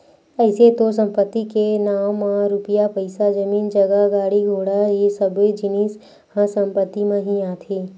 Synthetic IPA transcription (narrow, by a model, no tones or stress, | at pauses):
ɛɪset̪os̬ə̃mpət̪ːikenaːwmãɾʊpɪjapəɪsad͡ʒəmiːnd͡ʒəɡəɡaːɽiɡʱoːɽaɦisəbd͡ʒɪniːs | hə̃sɐ̃mpət̪ːimẽɦiaːt̪ʰeː